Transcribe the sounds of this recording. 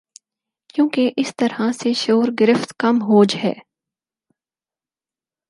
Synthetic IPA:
kjõːkeʔɪst̪ɐɾhaseʃoːɾɡɪɾɪft̪kɐmɦoːd͡ʒɦɛ̰ː

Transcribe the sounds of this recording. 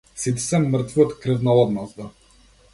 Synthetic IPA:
sit̪i̥sɛməɾt̪viot̪kɾəvnalˠɔd̪nazd̪a

